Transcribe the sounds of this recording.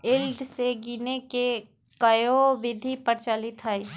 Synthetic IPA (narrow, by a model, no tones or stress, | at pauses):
ɪlɖseɡiːneke | kɐjoʋɪd̪ʱipɐɾt͡ʃalit̪ʰɦai